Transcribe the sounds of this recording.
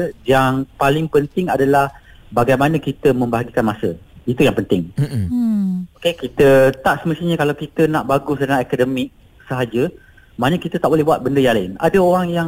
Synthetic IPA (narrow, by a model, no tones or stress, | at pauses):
jaŋpalɪŋpənt̪ɪŋadalah | baɡajmanə̃kit̪əmə̃mbaɦaɡikanmasə̰it̪ujaŋpənt̪ɪŋ | okekit̪ət̪aʔsəməst̪iɲəkalawkit̪ənaʔbaɡʊsdənaɛkədəmɪk̚ | səɦad͡ʒə | manəkit̪ət̪aʔ̚bolɛhbuat̪̚bəndəjaŋlaɪna̰dəoɾaŋjaŋ